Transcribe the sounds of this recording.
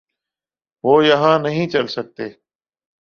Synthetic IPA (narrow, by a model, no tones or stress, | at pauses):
ʋoːjəɦãːnəɦĩːt͡ʃəlsək̚t̪eː